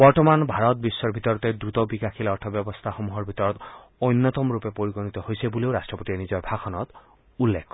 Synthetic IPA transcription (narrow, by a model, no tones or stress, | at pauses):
bɔɹt̪ɔmanbʱaɹɔt̪̚bisːɔɹbʱit̪ɔɹɔt̪ed̪ɾut̪ɔbikaxʰilɔɹtʰɔbjɔbɔst̪ʰaxomuɦɔɹbʱit̪ɔɹɔt̪ojnːɔt̪ɔmɹupepoɹiɡonit̪ɔhojsebuleʊɾastɹɔpot̪ienizɔjbʱakʰɔnɔt̪ | ulːekʰː